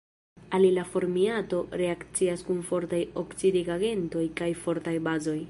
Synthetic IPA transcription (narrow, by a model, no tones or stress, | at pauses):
alilafo̞ɾmiato̞ɾe̞akt͡siaskunfo̞ɾtajokt͡sidiɡaɡe̞nto̞jkajfo̞ɾtajbazo̞j